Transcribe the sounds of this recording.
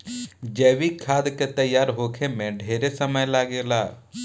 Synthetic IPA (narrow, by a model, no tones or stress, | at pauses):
d͡ʒɛːʋikʰːaːd̪ket̪ɐjːaːɾɦoːkʰemẽɖʱeːɾesɐməjlaːɡelaː